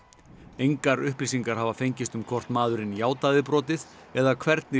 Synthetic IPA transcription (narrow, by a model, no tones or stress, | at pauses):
ejŋkaɾʏhplis̬iŋkaɾ̥havafejɲcɪst̪ʏmkʰɔr̥t̪maːðʏɾɪnjaːwt̪aðɪpɾɔːt̪ɪθ | ɛðakʰvɛɾt̪nɪ